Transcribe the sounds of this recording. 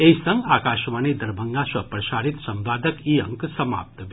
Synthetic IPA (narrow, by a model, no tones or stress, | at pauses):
eisəŋɡakaʃmanid̪ɐɾbʱəŋɡasɐpɾɐsaɾit̪sɐmʋaːd̪əkiəŋksəma̰ːp̚t̪